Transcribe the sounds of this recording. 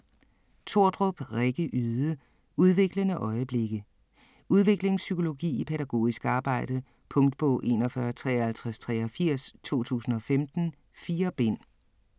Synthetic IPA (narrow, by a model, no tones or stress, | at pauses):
t͡sʰo̝ɐ̰d̥ʁɔb̥ʁeɡ̥əʔyðˠə | uð̞ˠʋe̝ɡ̥lənəʔɒ̽ɪəb̥le̝ɡ̥ə | ʔuð̞ˠʋe̝ɡ̥le̝ŋsykʰo̝lo̝ɡ̥ḭːipʰeɾæɡ̥o̝̰ːisɡ̥ɑ̈ːb̥ɑ̈ɪ̰d̥ə | pʰɔ̽ŋd̥̚b̥ɔ̽ʊ̰ʔe̝̰nɒ̽fɶɐt͡sʰʁɛːhælt͡sʰʁast͡sʰʁɛɒfiɐ̰st͡sʰo̝̰ːt͡sʰṵːsn̩ɒ̽femd̥n̩ | fiːɐb̥e̝n̰